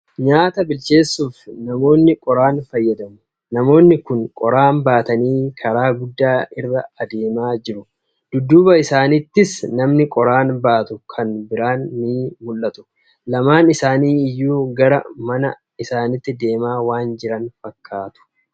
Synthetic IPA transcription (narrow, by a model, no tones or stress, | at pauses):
ɲaːt̪ɐbɪlt͡ʃe̞ːsːuːfnɐmo̞ːnːɪkʼɔɾaːnfɐjːɐd̪ɐmʊ | nɐmo̞ːnːɪkʊŋkʼɔɾaːnbaːt̪ɐniːkʰɐɾaːɡʊd̪ːaːɪrːɐɐd̪eːmaːd͡ʒɪɾʊ | d̪̥ʊd̪ːuːbɐɪsaːnɪt̪ːɪsnɐmnɪkʼɔɾaːnbaːt̪ʊkʰɐnbɪɾaːnmiːmʊlːɐt̪ʊ̥ | lɐmaːnɪsaːniːɪjːuːɡɐɾɐ̰mɐnɐ | ɪsaːnɪt̪ːɪd̪e̞ːmaːwaːnd͡ʒɪɾɐnfɐkʰːaːt̪ʊ̥